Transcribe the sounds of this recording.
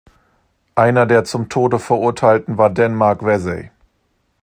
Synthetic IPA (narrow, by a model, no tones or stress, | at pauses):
ʔaɪnɐdeːɐt͡sʊmtʰoːdəfɛɐʔʊɐtʰaɪltn̩vaːɐdɛnmaɐkv̥ɛzɛɪ